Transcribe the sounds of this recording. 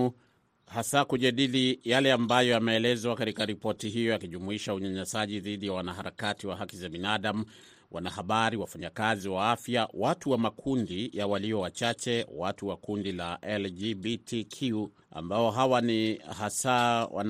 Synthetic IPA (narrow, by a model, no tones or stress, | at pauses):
hasaːkuʄaɗilijalɛambajɔamɛːlɛzwakatikaɾipɔtiɦijɔjakiʄumuiʃauɲaɲɛsaʄiðiɗijawanahaɾakatiwaɦakizabinaɗamu | wʔa̰nahaɓaɾiwafaɲakaziwaafjawatuwamakʰundijawaliɔwat͡ʃat͡ʃɛwatuwakundilaʔɛld͡ʒibitʰikʰuu | a̰mbaɔɦawanihasawa̰n